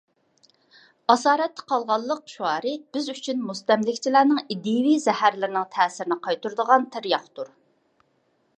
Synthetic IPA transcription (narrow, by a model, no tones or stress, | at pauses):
ɑsɑːɾɛt̪ːɛ̥qʰɑlˠʁɑlˠːəq̚ʃuɑːɾɨb̥ɪzyt͡ʃʰynmust̪ɛmlɪkʲt͡ʃʰilæːnɪŋid̪iwizɛhæɾlɪɾɪnɪŋt̪ʰɛːsɪɾɪnɪqʰɑjt̪uɾd̪əʁɑnt̪ʰɪɾjɑχt̪uɾ